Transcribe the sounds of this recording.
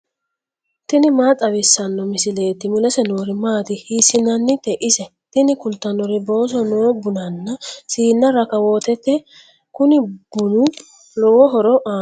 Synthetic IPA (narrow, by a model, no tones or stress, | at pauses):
t̪ɪnɪmaːt͡sʼɐbɪsːɐnːɔmɪsɪle̞ːt̪ːɪmʊlɛsɛnoːɾɪmaːt̪ɪhiːsɪnɐnːɪt̪ɛʔɪsɛ | t̪ɪnɪkʊlt̪ːɐnɔɾɪbo̞ːs̬ɔnoːbʊnɐnːɐsiːnːɐɾɐkɐwoːt̪ɛt̪ːɛ | kʊnɪb̥ʊnʊ | lɔwɔɦɔɾɔʔaː